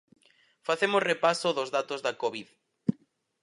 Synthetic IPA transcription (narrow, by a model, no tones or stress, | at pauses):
faθemosrepasoðozðat̪ozðɐkoβið